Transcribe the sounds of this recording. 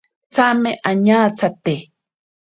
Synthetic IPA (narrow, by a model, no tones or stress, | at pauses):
t͡samɪʔaɲaːt͡sat̪e